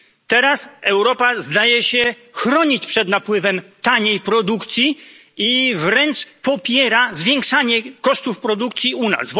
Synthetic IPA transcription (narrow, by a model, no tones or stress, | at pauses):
t̪ɛɾasɛwɾɔpazd̪ajɛɕɛ | xɾɔɲit͡ɕpʂɛd̪napwɘvɛmt̪aɲejpɾɔd̪ukt̪sʲji | ivɾɛnt͡ʂpɔpʲjɛɾazvʲjɛŋkʂaɲɛkɔʂt̪ufpɾɔd̪ukt̪sʲjiuna̰s